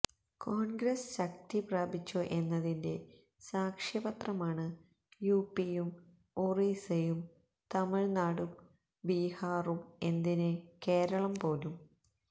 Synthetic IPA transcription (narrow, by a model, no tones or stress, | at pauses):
koːnɡɾɐsɕɐk̚t̪ipraːbʱit͡ɕːoʔe̞nːɐðinde̞ | saːkʂjɐbɐt̪rɐmaːɳɨ | juːpːijum | urisɐjum | t̪ɐmiɻnaːɽum | bihaːrume̞nd̪inɨke̞ːɾɐɭɐmpo̞ːlum